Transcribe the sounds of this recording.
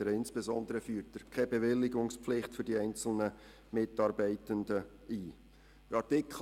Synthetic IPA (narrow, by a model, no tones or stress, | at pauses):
əɾɪnsb̥ezɔndəɾəfyːɾtəɾkʰɛbevɪlːɪɡʊŋspflɪχtfʏɾdiɛɪnt͡sl̩nə | mɪtɑːɾbɛɪtəndə | iː | ɑɾtɪkʰ